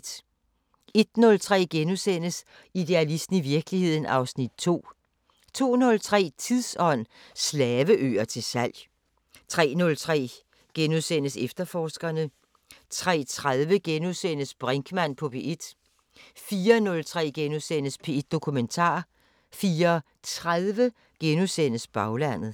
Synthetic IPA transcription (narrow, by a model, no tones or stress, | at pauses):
d̥ | e̝d̥nɔ̽lt͡sʰʁɛ̰ːɡ̥enusen̰əs | id̥e̝ælisd̥n̩iʋiɐɡ̥əlihe̝ð̞̰ˠn̩ɑ̈ʊsnid̥̚t͡sʰo̝̰ː | t͡sʰo̝̰ːnɔ̽lt͡sʰʁɛ̰ːt͡sʰiðˠsɒ̽n̰ | slɛːʋəʔø̰ːɐt͡sʰe̝lsæl̰j | t͡sʰʁɛ̰ːnɔ̽lt͡sʰʁɛ̰ː | ɡ̥enuðˠsen̰əsefd̥ɐfɒːsɡ̥ɐnə | t͡sʰʁɛ̰ːt͡sʰʁaðˠʋəɡ̥enuðˠsen̰əsb̥ʁaŋɡ̥mæn̰pʰɒ̽pʰe̝ʔed̥ | fiːɐnɔ̽lt͡sʰʁɛ̰ːɡ̥enusen̰əspʰe̝e̝d̥ːo̝kʰument͡sʰɑ̰̈ː | fiːɐ | t͡sʰʁaðˠʋə | ɡ̥enusen̰əsb̥ɑ̈ʊlæn̰ð̩ˠ